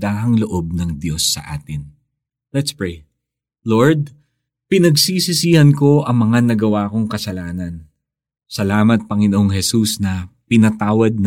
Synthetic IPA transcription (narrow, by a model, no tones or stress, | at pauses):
d̪aːʔɐŋloʔo̞b̚nɐŋd̪jo̞sːɐ̰ʔaːt̪ɪn | lɛt̪spɹej | lo̞ɹd̪̚ | pɪnɐɡsisɪsiːhɐnko̞ʔɐŋmɐŋanɐɡɐwaːko̞ŋkɐsɐlaːnɐn | sɐlaːmɐt̪̚pɐŋɪnoʔoŋhɛsusnɐpɪnɐt̪aːwɐd̪̚n